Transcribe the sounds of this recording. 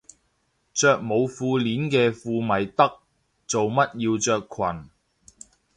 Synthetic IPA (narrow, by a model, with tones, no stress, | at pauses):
t͡sœː˧k̚mo˨˧wfuː˧liː˨˥nkɛː˧fuː˧mɐ˨jt̪ɐ˥k̚ | t͡so˨wmɐ˥t̚jiː˧wt͡ʃœː˧kʰwɐ˨˩n